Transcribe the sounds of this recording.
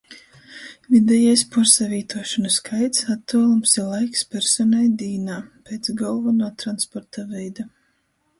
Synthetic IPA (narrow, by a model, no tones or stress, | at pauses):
vʲid̪ɛjajspuɾsavʲiːt̪uɔʃɔnaskʰajt̪sat̪ːɔːlˠumsiɾlˠajkspʲɛɾsɔnajd̪iːnaːpʲeːt̪sɡɔlˠvanaːt̪ɾanspɔɾt̪avɛjd̪a